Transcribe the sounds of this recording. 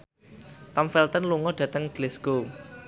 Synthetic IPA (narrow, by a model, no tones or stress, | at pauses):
t̪amfɛlt̪ɔnluŋɔɖ̥ä̤t̪əŋɡ̥lɛsɡ̥o